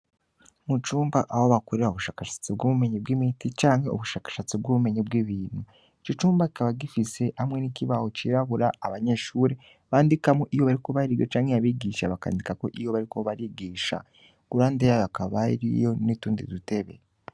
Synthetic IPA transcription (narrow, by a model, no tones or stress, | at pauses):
mut͡ʃuːmbaʔawoβakoɾeɾaoβuʃaːkaʃḁt͡sib̚ɡuβume̞ɲibɡimitit͡ʃaːŋhe̞ṵβuʃaːkḁʃat͡sibɡuβume̞ɲibɡiːβiːnhu | it͡ʃit͡ʃuːmbaki̥kaβaɡifise̞hamŋe̞nikiβaho̞t͡ʃiɾaβuɾaːβaɲe̞ʃuːɾe | βaːndikamoʔijoβaɾiko̞βaɾijo̞t͡ʃaːŋhejaβiːɡiːʃaβaka̰ːndikako̞̰ʔijo̞βaɾiko̞βaɾiːɡiːʃa̰ | ɡ̥uɾaːndejajakaβa̰ɾḭjo̞nituːndḭdute̞βḛ